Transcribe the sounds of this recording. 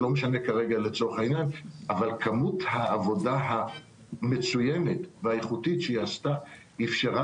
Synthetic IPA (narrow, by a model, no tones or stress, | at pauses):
lo̞meʃane̞kaʁe̞ɡalet͡so̞ʁeχainjanavalkʰamuthaːvo̞daɦa | me̞t͡sujeme̞tveajeχutitʃejast̪a | ifʃeʁa